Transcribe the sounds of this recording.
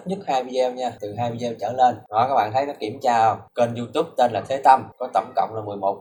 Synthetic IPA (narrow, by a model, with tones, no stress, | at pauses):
t̚ɲə˦˥t̚haː˧jvi˧zwɲaː˧t̪ɨ˨˩ɦaː˧jvi˧ɗe˧wt͡ɕə̰ː˧˩le˧nnɔ˨˦jkaː˦˥k̚ɓa̰ː˧˨t̪ʰə˨˦jnɔ˨˦ki˧˩əmt͡ɕaː˧ke˧nzu˧t̪u˦˥p̚t̪e˧nlaː˨˩t̪ʰe˨˦t̪ə˧mkɔ˨˦t̪ə̰˧˩wŋ͡mkə̰˧˨wŋ͡mlaː˨˩mɨ˨˩əjmo˨˩k͡p̚